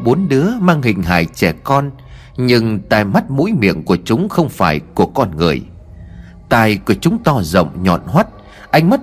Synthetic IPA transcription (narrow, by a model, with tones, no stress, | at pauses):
ɓo˨˦nɗɨ˨˦əmaː˧ŋhï˨˩ŋ̟ɦa̰ː˧˨jt͡ɕɛ˧˩kɔ˧n | ɲɨ˧ŋt̪a̰ː˧˨jma˦˥t̚mṵ˧˥jmḭ˧˨ənku˧˩ət͡ɕʊ˨˦ŋ͡mxə˧wŋ͡mfaː˧˩jku˧˩əkɔ˧nŋɨ̰˨˩əj | t̪a̰ː˧jkɨ˧˩ət͡ɕʊ˨˦ŋ͡mt̪ɔ˧zə̰˧˨wŋ͡mɲɔ̰˧˨nhwa˦˥t̚ | ʔa˧jŋ̟ma˦˥t̚